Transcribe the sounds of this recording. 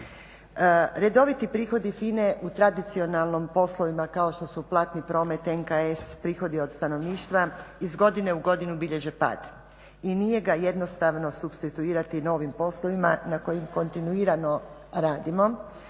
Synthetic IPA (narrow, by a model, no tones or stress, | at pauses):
ɾe̞d̪o̞ʋit̪ipɾiːxo̞d̪ifine̞ʔut̪ɾad̪it̪sio̞nalˠnompo̞slˠo̞ʋimakao̞ʃt̪o̞suplˠat̪nipɾo̞ːme̞t̪enkaespɾiːxo̞d̪io̞d̪st̪ano̞ʋniːʃt̪ʋaizɡo̞d̪ine̞uɡo̞d̪inubiʎe̞ʒepa̰d̪ | inije̞ɡaje̞d̪no̞st̪aʋno̞subst̪it̪uiːɾat̪ino̞ʋimpo̞slˠo̞ʋimanako̞jimko̞nt̪inuiːɾano̞ɾaːd̪imo̞